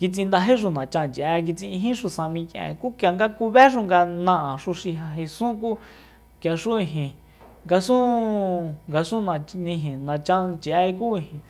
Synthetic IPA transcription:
ki˧t͡sĩ˧nd̪a˧ɦe˦ʃ̬u˧˨nã˨t͡ʃã˧˨nt͡ʃʔɛ˧k̬i˧t͡sĩ˧ɦĩ˦ʃu˧sã˧mĩ˧kɛ̰̃˨ku˦kja˨ŋɡa˦ku˧βɛ˦ʃ̬u˦˧ŋɡa˧nã˧ʔã˨ʂu˧ʃi˧ɦa˧ɦe˧sũ˦k̬u˦ | kja˨ʂu˦ĩ˧ɦĩ˨ | ŋɡa˧sũ˦ | ŋɡa˧sũ˦nã˧nĩ˧ɦĩ˨nã˨t͡ʃã˧t͡ʃʔɛ˧ku˦i˧hĩ˨

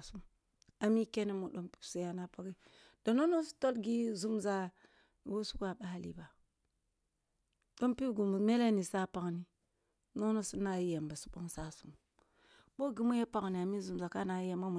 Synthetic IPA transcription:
su˦m | a˨mi˦ke˦ne˦mu˨ɗo˦mpi̥˦bsi˨ja˨na˦pa˦ki˦ | d̥o˨no˦no˦si̥˦to˦lɡi˦zu˦mza˨ | wo˦su˦ka˨ɓa˦ha˨lḭ˦ba˨ | ɗo˦mpi˦bɡu˨m˨me˦le˦ni˨sa˦pa˨kni˦ | no˦no˦su˦na˨ji˦je˨mba˨su̥˦ɓo˦ŋsa˦su˦m | bo˦ɡi˦mu˦je˦pa˦kni˨a˨mi˦zu˨mza˨ka˦na˨ji˦je˨ma˦mu˨

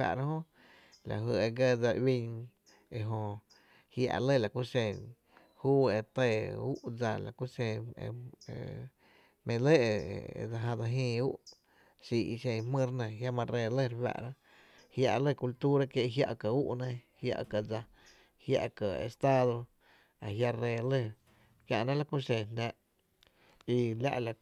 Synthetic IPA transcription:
a̰˧ʔɾa˦ɦõ˦ | la̰˨ɦɨ˧e˧ɡə˦˧d͡za˧wi˧ɲ | e˧ɦõ˧ | hja̰˧ʔlə˦˨la˨ku˦sẽ˧˨ | huː˦e˧t̪e˧˨u˦ʔd͡za˧la̰˨ku˦sẽ˧ḛ˧ḛ˧ | mẽ˧le˦ʔḛ˧d͡za˧ɦã˧d͡za˧ɦĩː˧u˦ʔ | si˧ḭ˧ʃẽ˧hmɨ̃˦ɾnẽ˧˨ɦja˦mã˧ɾe˧le˦˨ɾwa̰˧ʔɾa˦ | hja˧ʔlə˦˧˨ku˧lt̪u˦ɾa˦˧kje˧ʔɦja̰˧ʔkə˨u˦ʔnẽ˧hja̰˧ʔka˨d͡za˧ | hja̰˧ʔkə˨ḛ˨st̪a˦ðo˧ | a˨ɦja˧ɾeː˧lə˦˧ɾ | kja˧ʔnã˦la˦ku˦ʃẽ˨nẽ˧ʔ | i˧la̰˦ʔla˨

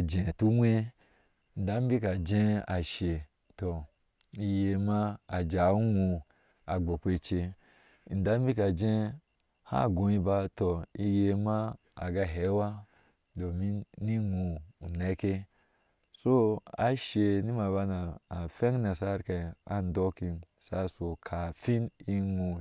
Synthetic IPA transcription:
d͡ʒẽ˨tu˦wʷe˦˨ | n̩˨da˦m˦bi˦ka˨d͡ʒẽ˦a˨ʃe˨ | to˨ | i˧je˧˨ma˦a˨d͡ʒa˨˦u˦ŋu˧ | a˨ɡ͡bo˨kʷe˧˨t͡ʃe˧˨ | n̩˨da˦m˦bi˦ka˨d͡ʒe˦ | ha̰˦˨ɡõ˨i˧ba˧to˨i˦˧˦je˧ma˦ | a̰˨ɡa˧ɦe˨˦wa˦ | do˨mi˦ni˦ŋu˨ne˨˦ke˦ | so˦a̰˨ʃe˨ni˦ma˨ba˧na˨a˨fẽ˦ŋ˦na˨sa˦ɾka˨a˦n˦do˦ki˧n | sa˦so˨kʰa˨fi˦ni˦ŋu˧

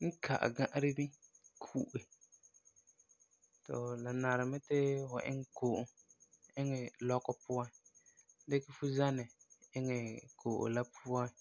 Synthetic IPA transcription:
ŋ̩˦kʰa̰˨ʔa̰˨ɡã˦˨ʔɾɪ˦nɪ˦kʰuː˦ʔɪ˨ | tɔ̰˨la˨na˨ɾɪ˨mɛ˦tɪ˦fʊ̰˨ʔɪ̰˦ŋ˦koː˨ʔʊ˨ | ɪ˦ŋɛ˨lɔ˦kɔ˦pʊ˦a˨n˦ | dɪ˦kɪ˦fʊ˦za˦nɛ˨ɪ˦ŋɛ˨kʰo˨ʔʊ̰˨la˦pʰʊ˦a˦n

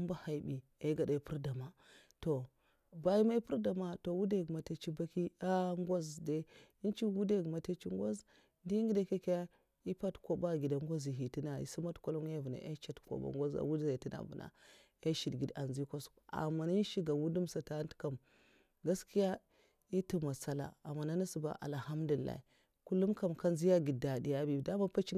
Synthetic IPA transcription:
u˦mba˦ha˨i˨bi˨a˦ɡa˨da˨pu˦ɾda˨ma˨ | to˨ | ba˦ji˦ma˦i˦pu˦ɾda˨ma˨to˨wu˦da˦˨ɡma˨ta˦t͡ʃi˦ba˦ki˦a˦ŋɡʷo˦zde˦ | i˦t͡ʃi˦wu˦de˦˨ɡu˨ma˨te˦t͡ʃi˦ŋɡo˦z | di˦ŋɡi˦da˦ke˦kja˦ | i˦pa˦tko˦ba˦ɡi˨da˨ŋɡʷo˦zi˨ɦi˨ti˦na˨ḭ˨si˦ma˦tko˦lo˦ŋ˦a˦˨vu˨na̰˨ʔe˦t͡ʃa˦tko̰˨ba̰˨ŋɡʷo˦za̰˨wu˦dza˨i˨ti˦na̰˨vṵ˨na̰˨ | e˦ʃi˨dɡi˨da˨nzi˦ko˦s | a̰˨ma˨ni˦nʃi˦ɡa˨wu˦du˦msa˨ta˦ntka˨m | ɡa˦ski˦ja˦ | i˦tu˦ma˨sa˦la̰˨a˨mːa˨na˦na˦su˨ba̰˨ʔa̰˨lha˦mdu˨i˨lːa̰˨i˨ | ku˦lu˦mka˦mka˦nzi˦ja˦ɡi˨da˨di˨ja˦bi˨da˦ma˦pa˦t͡ʃi˦

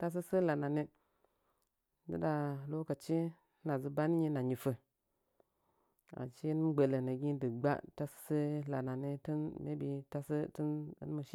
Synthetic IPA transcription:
ta˦s̬ə˦sə˦la˨na˨ni˦ | dɨ̰˦da˨lo˦ka˨t͡ʃi˦ | na˨zə˨ba˦ni˦ɲi˦na˨ɲi˨fə˨ | a̰˨t͡ʃi˦n˦m˦ɡ͡bə˨lə˨na˨ɡi˦də˨ɡ͡ba̰˦ta˦sə̥˦sə˦la˨na˨ni˦tə˦nme˦bi˨ta˦sə˦tə˦nə̰˦n˦mə˨ʃi˦

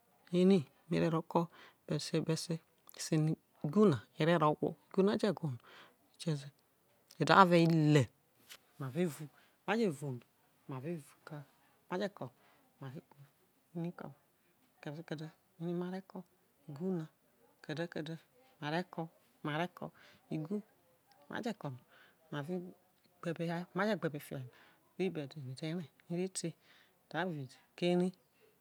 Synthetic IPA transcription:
i˦ni˦˨mḛ˨ɾe˨ɾo˨˦kɔ˦ | b̥ɛ˨se˦be˦se˦˨ | si˦ni˦˨ | ɡu˦na˨e˨ɾe˦ɾo˨˦ko̰˦˨ɡu˦na˦d͡ʒe˦˨ɡu˨nu˨ | i˨t͡ʃe˦ze˦ | e˨da˨˦a˦ve˦i˦le˨ | ma˨ve˦˨vu˨ | ma˦d͡ʒe˦˨vu˨nu˨ | ma˨ve˦˨vu˨ka˦ | ma˦d͡ʒe˦kɔ˨ | ma˨ɾe˦ɡu˦˨ | i˦ni˦kɔ̰˨ | kɛ˨˦kɛ˨dɛ˦ | i˦ni˦ma˨ɾɛ˦kɔ˦ | i˨ɡu˦na˨ | kɛ˨dɛ˦kɛ˨dɛ˦ma˨ɾɛ˦kɔ˧ | ma˨ɾɛ˦kɔ̰˧i˨ɡu˦ | mʔa̰˨˦d͡ʒɛ˦kɔ˨nɔ˨ | ma˨vi˦ | ɡ͡bɛ˨bɛ˨˦ma˦d͡ʒɛ˦ɡ͡bɛ˨bɛ˨fi˨ɛ˨na˨ | e˦bɛ˨de˨mi˨tɛ˦ɾɛ˨ni˦ɾi˦te˦ | d̥a˨˦˨vi˨dke˦ɾi˦

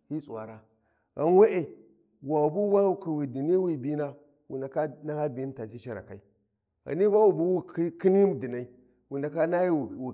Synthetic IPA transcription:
hi˦sʼwa̰˨ɾa˦ | ɣa̰˨nwe˦ʔe˨ | wa˨bu˦wa˦u˦ki˨wi˨di˨ni˦wi˦˨bi˦na˦ | wḭ˨nda˨ka˦na˦ha˦bi˨˦n˦ta˨ti˦ʃi˨ɾa̰˨ka˨i˦ | a̰˨ni˦va˦wu˦˨bu˦wi˦kki˦ni˦m˨di˨na˨i˦ | wu˨nda˨ka˦na˦i˦˨u˨

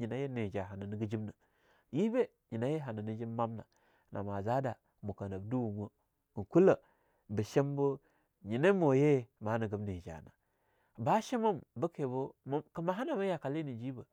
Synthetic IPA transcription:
ɲi˨na˨je˦ne˨d͡ʒa˨ɦa˨nə˨ni˨ɡə˦d͡ʒi˦bna˨ | ji˦be˦ | ɲi˨na˨˦je˦ɦa˨nə˨ni˨d͡ʒi˦bma˦mna̰˨ | nʔa˨ma˨za˦da˨ | mu˨kə˨na˨bdu˦wu˨mo˦˨ | ŋku˦lə˨ | bə˨ʃe˦mbə˦ | ɲi˨ne˦mo˨je˦˨ma˨˦nə˨ɡə˨bne˨d͡ʒa̰˨na̰˨ | ba˦ʃe˦ma˦mbə˦ke˨bo˦m˦kə˨ma˨ɦa˦na˨ma˦ja˨ka˨li˦ni˨d͡ʒi˦bə˨

